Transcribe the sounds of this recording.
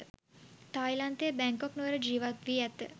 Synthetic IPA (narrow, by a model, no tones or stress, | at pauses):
t̪ajlant̪eːbɛŋkɔknuəɾəd͡ʒiːʋat̪ʋiːɛt̪ə